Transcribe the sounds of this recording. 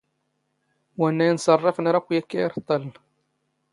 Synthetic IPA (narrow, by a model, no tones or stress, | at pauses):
wænːæjənsˤɑrˤːɑfnɾˤɑkʷːjækːæjɾt̪ˤːɑl